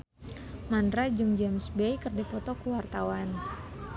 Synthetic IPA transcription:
mandɾad͡ʒuŋd͡ʒamsbejkərdipɔt̪ɔkuwart̪awan

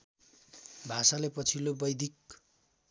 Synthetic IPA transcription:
bʱasalepʌt͡sʰilobʌjd̪ʱik

